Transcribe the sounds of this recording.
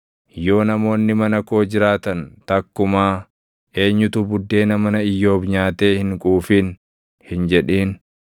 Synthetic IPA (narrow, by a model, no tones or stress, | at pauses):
jo̞ːnɐmo̞ːnːɪmɐnɐko̞ːd͡ʒɪɾaːt̪ɐnt̪ɐkːʊmaː | e̞ːɲːʊt̪ʊbʊd̪ːe̞ːnɐmɐnɐɪjːo̞ːbɲaːt̪e̞ːhɪŋkʼuːfiːn | hɪnd͡ʒɛᶑiːn